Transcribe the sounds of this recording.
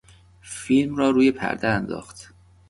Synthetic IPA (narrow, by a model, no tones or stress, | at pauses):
fiːlmrɒːɾuːje̞pʰæ̰ɾd̪æænd̪ɒ̰ːxt̪